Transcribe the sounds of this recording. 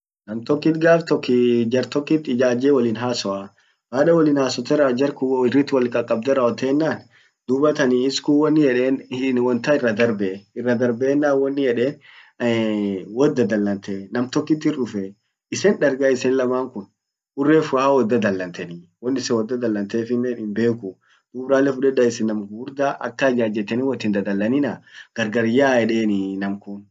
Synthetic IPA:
nɐmt̪ɔkːɪt̪ɡaːft̪ɔkːɪd͡ʒɐɾt̪ɔkːɪt̪ːɪd͡ʒaːd͡ʒeːwɐlɪːnɦaːsɔʔa | waːᶑɐwɔlɪːnhaːsɔt̪ɛɾɐd͡ʒɐɾkʊwɪrɪt̪ːwɐlkʼɐkʼːɐb̚d̪ɛɾɐɔt̪eːnːaːn | d̪̥ʊbɐt̪ɐniːɪskʊwɔnːɪjɛᶑeːnɪwɔnt̪ɐɪrːɐd̪ɐɾbɛɪrːɐd̪ɐɾbeːnːaːwɔnːɪjɛᶑeːn | wɔd̪ːɐd̪ɐlːɐnt̪enɐmt̪ɔkːɪt̪ːɪrʊfɛ | ɪsɛnᶑɐɾɡaɪsɛnlɐmaːŋkʊn | ʔʊrːeːfʊaawɔd̪ːɐd̪ɐlːɐnt̪ɛnɪwɔnːɪsɛwɔd̪ːɐd̪ɐlːɐnt̪eːfɪnːɛɪmbeːkʊ | d̪̥ubɾaːlːɛfʊᶑɛdɐɪsɪnːɐmɡuːɾd̪aːʔɐ̰kːɐd͡ʒaːd͡ʒɛt̪ːɛnɪwɔt̪ːɪnd̪ɐd̪ɐlːɐnɪnɐɡ̥ɐɾɡɐɾjaːjɛᶑe̞ːnɪnɐmkʊn

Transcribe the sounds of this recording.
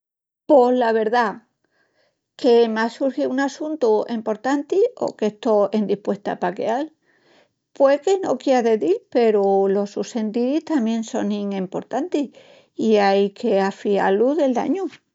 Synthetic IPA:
poɦlaβ̞e̞ɾða | ke̞masuɾxiunasunt̪uempo̞ɾt̪ant̪io̞̰ke̞st̪o̞end̪ihpwe̞st̪a̰pakeal | pwekenokjeaðe̞ðilpe̞ɾulo̞suse̞nt̪iɾiht̪amje̞nso̞niŋempo̞ɾt̪ant̪i | iajkʰe̞afia̰luðe̞ld̪a̰ɲu

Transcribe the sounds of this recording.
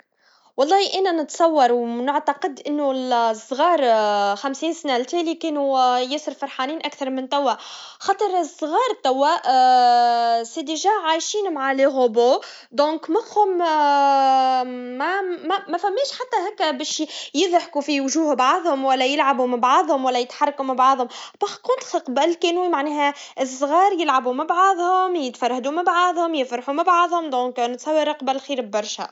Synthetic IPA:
wɑlˤːɑːhiʔæːnænɪt̪sˤɑwːɑɾˤwnɪʕt̪ɑqɪd̪ʔɪnːʊlsˤːɣɑːɾˤxæmsiːnsanælt̪æːlikeːnujɪsɪɾfɑɾˤħaːniːnʔækθɑɾˤmɪnt̪æwːæ | xɑːt̪ˤəɾsˤːɣɑːɾˤt̪æwːæʔ | sed̪iʒæʕajʃiːnmaʕaleɣoboː | d̪õːkmæxhʊm | mæmmæfæmːɛːʃħat̪ːæɦæːkːæbɛːʃjɪðˤħkufiwʊʒuːhʊbʕaʕðˤhʊmwælːæjɪlʕabumɪbʕaðˤhʊmwælːæjɪt̪ħɑrˤːɑkumabʕɑʕðˤhʊmbɑxkʊnt̪xəqbælkɛːnuːwimaʕnɛːhæɪsˤːɣɑːɾjɪlʕabumabʕaðˤhʊmjɪt̪fɑɾˤhd̪umabʕɑðˤhʊmjɪfɾˤɑħumabʕaʕðˤhʊmd̪ɔ̃ːknt̪sˤɑwːiɾˤɑqbælxiːɾbbɑɾˤʃæ̰

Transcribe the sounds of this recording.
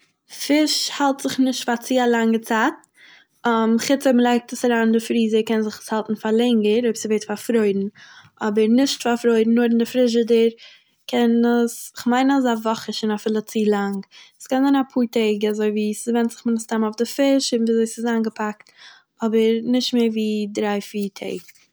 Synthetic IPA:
fɪʃhalˠtz̥ɪχnɪʃtfat͡siːalˠaŋət͡saːt̚ | ɔmχɪt͡soməlˠaɪk̚təsaɾaːndɪfɾiːzəkɛnzɪχə̥shalˠtn̩falˠɛŋəɾoɪbsɪveɪtfaɾfɾoɪdn̩ | ɔbəɾnɪʃtfaɾfɾoɪdn̩ːʊːɾɪndɪfɾɪʃ̬ədəɾ | kʰɛnəsɪχmaɪnazavɔχəʃɪnafɪlˠət͡siːlˠaŋəskanzaɪnapʰuːɾtʰeɪɡazoɪviːsɪvɛntz̥ɪχmɪnəstamaʊfdɪfɪʃɪviːzoɪsɪzaːnɡəpʰak̚t | ɔbəɾnɪʃtmeːɾviːdɾaɪfiːɾtʰḛɪɡ

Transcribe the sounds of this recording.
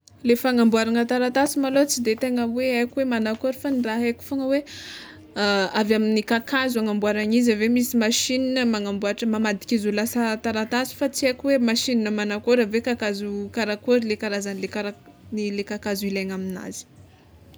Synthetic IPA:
lefaŋambuaɾaŋat̪aɾat̪asimalot͡sid̪et̪eŋaweajkuwemanakoɾifaniraɦekʲu̥foŋəwe | avaminikakazuaŋambuaɾaŋizəvemisimaʃininəmaŋambuaʈ͡ʂəmamad̪i̥kʲizulasat̪aɾat̪asi̥fat͡siakʲuwemaʃininamanakoɾəvekakazukaɾakoɾilekaɾazanilekaɾa | nilekakazuilaŋamina̰z̥i̥

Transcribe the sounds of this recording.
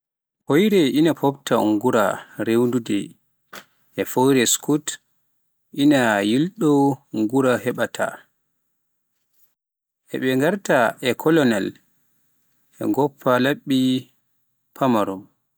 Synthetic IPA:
hojɾɛʔinapʰɔbta̰ŋɡuɾaɾewndudɛ̰ | ʔɛfojɾɛskut | ʔinajilɗɔŋɡuɾahɛɓatʰa̰ | ʔɛ̰ɓɛŋɡaɾtaʔɛkʰɔlɔnal | ɛ̰ŋɡɔpʰːalaɓːi | pʰamaɾɔm

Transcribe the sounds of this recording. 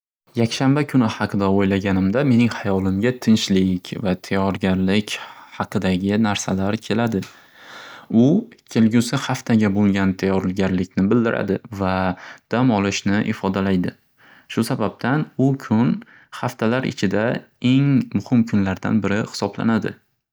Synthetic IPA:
jakʲʃambakʰʊnɪhɑqʰɨd̪aojlaɡʲanɪmd̪ame̞nɪŋhajɒlˠɪmɡʲat̪ʰɪnʃlɪkʲvat̪ʰajɒɾɡʲaɾlɪkʲhɑqʰɨd̪aɡʲɪnaɾsalaɾkʲʰe̞lad̪ɪ | ʊkʲʰelɡʲʊsɪhaft̪ʰaɡʲabolˠɡʲant̪ʰajɒɾɪlɡʲaɾlɪkʲnɪbɪld̪ɪɾʔa̰d̪ɪvad̪̥amɒlˠɪʃnɪʔɪfɒd̪alajd̪ɪ | ʃʊsabab̚t̪ʰanʊkʲʰʊn | χaft̪ʰalaɾɪ̰t͡ʃʰɪd̪a | e̞ŋmʊhɪmkʰʊnlaɾd̪a̰nbɪɾɪhɪ̥sɒbla̰nad̪ɪ̰

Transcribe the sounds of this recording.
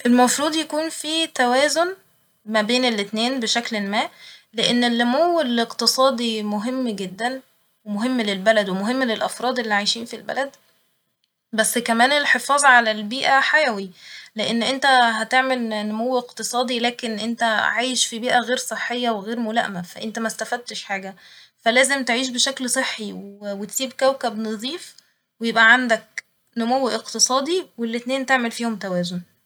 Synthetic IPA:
ʔelmɑfɾˤuːd̪ˤjækuːnfiːt̪æwæːzon | mæbeːnelːet̪neːnbeʃæklelmæːleʔenːelːomowːeleqt̪esˤɑːd̪ˤimoɦemːɡed̪ːæn | wemoɦemːlelbælæd̪wemoɦemːlelʔæfɾˤɑːd̪ˤʔelːiːʕajʃiːnfilbæ̰læd̪ | bæsːkæmæːnelħefɑːzˤʕalælbiːʔæħajæwileʔenːʔent̪æɦæt̪eʕmelnomowːeqt̪ɨsˤɑːd̪ˤilæːkenʔent̪æʕaːjeʃfibiːʔæɣeːɾsˤeħːejːɑweɣeːɾmolæ̰ʔmæfæ̰ʔent̪æmæst̪æfæd̪̚t̪eʃħaːɡæfælæːzemt̪eʕiːʃ̬beʃæklsˤeħːiwwet̪siːbkæwkæbnɑðˤiːf | wejebʔæʕand̪æk̚ | nomowːʔeqt̪esˤɑːd̪ˤiwelːet̪neːnt̪eʕmelfiːhomt̪æwæːzon

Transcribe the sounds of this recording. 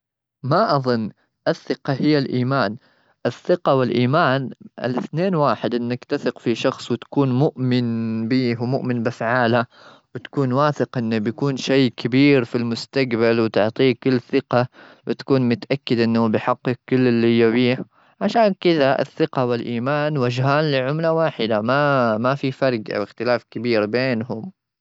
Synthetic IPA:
maʔɑðˤʊnː | ʔɪθːɪqɑhɪjːalʔiːmaːn | ʔɪθːɪqawɪlʔiːmaːnʔɪ̰lɪθneːnwaːħɪd̪ʔɪnːakt̪aθɪqfiʃɑxsˤwɪt̪ḁkuːnmʊʔmɪnbiːhwmʊʔmɪnbɪfʕaːla | wɪt̪ḁkuːnwaːθɪqʔɪnːabjakuːnʃeːkʰabiːɾfilmʊst̪aɡbalwɪt̪ʊʕt̪ˤiːkʊlːθɪqa | wɪt̪ḁkuːnmʊt̪aʔakːɪd̪ʔɪnːhubɪħɑqːɪkːʊlːɪlːiɪjːabiːh | ʕaʃaːnkɪd̪aʔɪ̰θːɪqawɪlʔiːmaːnwad͡ʒɦaːnlɪʕʊmlawaːħɪd̪amamafifɑɾˤɡʔa̰wɪxt̪ɪlaːfkabiːɾbeːnɦʊm

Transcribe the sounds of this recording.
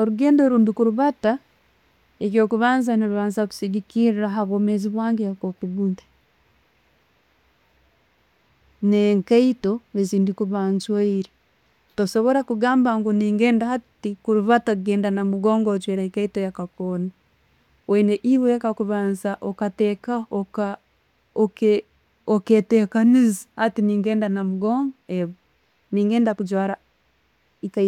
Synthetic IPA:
oɾuɡeːndoɾuːndikuɾuβata | ekjokuβaːnzaniβaːnzaku̥siɡikiɾiɾaɦaβomeziβwaːŋɡejakokuβuntḁ | neŋkaitoeziːndikuβaːnzwaiɾi | tosoβoɾakuɡaːmbaŋɡuniːŋɡeːndahatikuɾuβataɡeːndanamuɡoːŋɡod͡ʒweɾaikaitojakakona | weneʔiβejakakuβaːnzaʔokateːkaoka | oke | oketeːkanizahatiniːŋɡeːndanamuɡoːŋɡoeβo | niːŋɡeːndakud͡ʒwaːɾa | ika

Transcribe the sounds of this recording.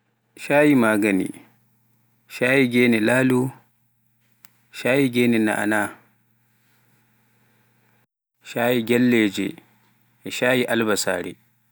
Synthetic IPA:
ʃaːjimaːɡɐnḭ | ʃaːjiɡʲeːnɛlaːlu | ʃaːjiɡʲɛːnɛna̰ʔa̰na | ʃaːjiɡʲɛlːeːd͡ʒɛ̰ | ɛʃaːjiʔalbasa̰ːɾḭ

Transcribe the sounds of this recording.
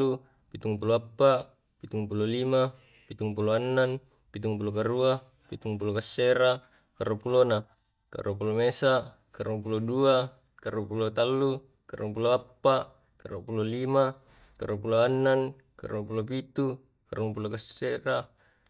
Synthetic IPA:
u | pit̪uŋpuloapːa | pit̪uŋpulolima | pit̪uŋpuloanːan | pit̪uŋpulokaɾua | pit̪uŋpulokasːeɾa | kaɾuapulona | ka̰ɾuapulomesa | kaɾuŋp̬ulodua | kaɾuapulot̪alːu | kaɾuaŋpuloapːa | kaɾuaʔpulolima | kaɾuapuloanːan | ka̰ɾuapulop̬it̪u | kaɾuŋpulokasːeɾa

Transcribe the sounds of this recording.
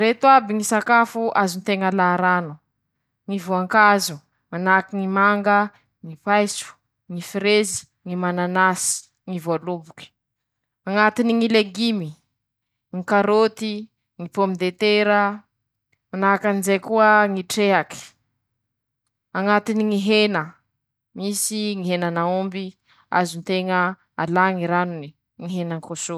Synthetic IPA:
ɾet̪uabiŋisakafuʔazunt̪eŋəlaɾanu | ŋivoaŋkazu | manakiŋimaŋɡə | ŋipajsu̥ | ŋifiɾezi̥ | ŋimananasi̥ | ŋivoalubuki̥ | aŋat̪iniŋileɡimi | ŋikaɾot̪i | ŋipomid̪et̪eɾə | manaakanizejkuəŋiʈ͡ʂeɦaki̥ | aŋat̪iniŋiɦenə | misiŋiɦenanaumbi | a̰zunt̪eŋə | alaŋiɾanuni | ŋiɦenaŋkoso

